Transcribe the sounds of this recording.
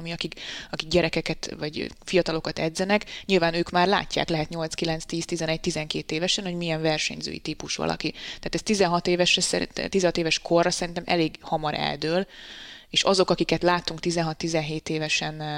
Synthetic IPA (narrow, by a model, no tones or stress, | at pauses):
miɒkikɒkik̚ɟɛɾɛkɛkɛt̪vɒɟfijɒt̪ɒlo̞kɒt̪ɛd̪zɛnɛkɲilvaːnøːkmaːrla̰ːcːa̰ːklɛɦɛt̪ɲo̞lt̪skilɛnt̪st̪iːst̪izɛnɛc̚t̪izɛŋkeːt̪eːvɛʃɛnho̞ɟmiɛɱvɛrʃɛ̰ɲzø̰ːjḭt̪iːpuʃʋɒ̰lʔɒ̰kit̪aːt̪ɛst̪izɛnɦɒt̪eːvɛʃrɛsɛḭɛt̪izɛnɦɒt̪eːvɛʃkʰo̞rːɒsɛɾint̪ɛmʔɛ̰leːɡhɒmɒɾʔɛ̰ld̪øːleːʃɒzo̞kɒkikɛt̪laːt̪ːuŋkt̪izɛnɦɒt̪ːizɛnɦeːt̪eːvɛʃɛn